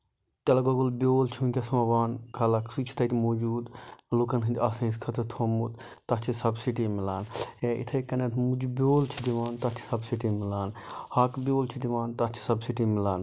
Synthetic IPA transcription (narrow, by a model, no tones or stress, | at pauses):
t͡ʃɐlɐɡoɡulbʲoːlt͡ʃʰũnkʲɐsmɐʋaːnkʰɐlɐksut͡ʃʰi̥t̪ʰɐt̪ʲmoːd͡ʒuːd̪lukɐnɦɨnd͡ʒʲɐsɐ̃iskʰɐt̪ʰɐt̪ʰoːmut̪ | t̪ɐt͡ʃʰisɐbsiʈimilaːneʔḭt̪ʰɐjkɐnɐt̪ʰmud͡ʒbʲoːlt͡ʃʰid̪iʋaːnt̪ɐt͡ʃʰi̥sɐbsiʈimilaːnhɐkbʲoːlt͡ʃʰid̪iʋaːnt̪ɐt͡ʃʰi̥sɐbsiʈimilaːn